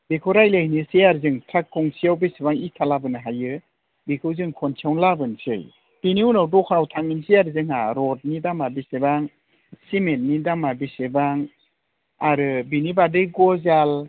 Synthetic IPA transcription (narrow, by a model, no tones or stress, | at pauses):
bekʰɯwɾajlɯhnisejaɾzɯŋtʰakʰːɔŋsijawbesebaŋitʰalabɯnɯɦajɯ | bikʰɯwzɯŋkʰɔnt͡ʃʰawŋlabɯnsɯj | b̥iniunawdɔkʰaɾawtʰaŋinsijaɾzɯŋhaɾɔt̚nidamabisebaŋ | simelnidamabisebaŋ | aɾɯbinibadɯjɡɔzal